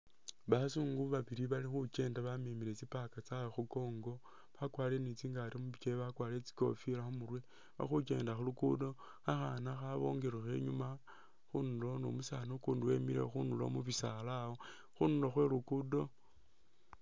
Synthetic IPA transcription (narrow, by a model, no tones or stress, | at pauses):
βasuŋɡuβaβiɾiβalixuce̞ːndaβamemiɾet͡sipakat͡sawoxuko̞ːŋɡo̞ | βakwaːle̞nit͡siːŋɡaɾimuβit͡ʃeβakwaːlet͡si̥ko̞̰fiɾaxumurwe | βa̰xuke̞ndaxulukudo̞ | axanaxaβo̞̰ŋɡeɾwexe̞̰ɲuma | xunulo̞no̰musaːnokuːnduwemiɾḛxunulo̰muβisalawo | xunuloxwe̞ɾukudo̞